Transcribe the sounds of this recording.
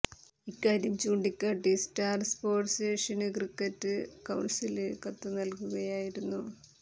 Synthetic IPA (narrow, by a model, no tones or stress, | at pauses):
ikːaːɾjɐmt͡ɕuːɳɖikʲːaːʈːistaːrspo̞ːʈsteːʂɐnɨkrikːɐtːɨkɐwɳsilɨkɐt̪ːɨnɐlkuɣɐjaːjiɾunːu